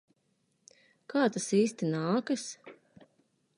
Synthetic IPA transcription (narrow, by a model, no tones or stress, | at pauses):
kʰaːt̪asiːst̪inaːkɐs